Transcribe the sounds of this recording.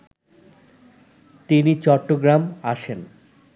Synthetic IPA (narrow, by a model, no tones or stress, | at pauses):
t̪init͡ɕɔʈːoɡɾamaʃen